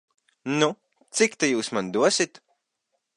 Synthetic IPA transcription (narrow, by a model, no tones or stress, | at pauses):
nu | t̪sikt̪ejuːsmand̪uɔsit̪